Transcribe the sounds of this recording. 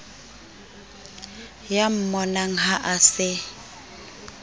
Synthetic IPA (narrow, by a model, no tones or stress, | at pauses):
jam̩mɔnaŋ̩ɦaʔasɪ